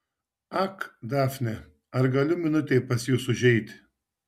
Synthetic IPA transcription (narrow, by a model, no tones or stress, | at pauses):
ɐkd̪ɑːfʲnʲɛ | ɐɾɡɐlʲʊmʲɪnʊt̪ʲɛɪpɐsjuːsʊʒʲɛɪt̪ʲ